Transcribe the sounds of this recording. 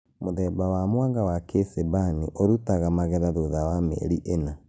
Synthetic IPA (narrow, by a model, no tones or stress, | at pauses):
moðɛbawamwaŋɡawakʰesebaniʔoɾutaɣamaɣɛɾaðoðawamɛ̰ɾiʔena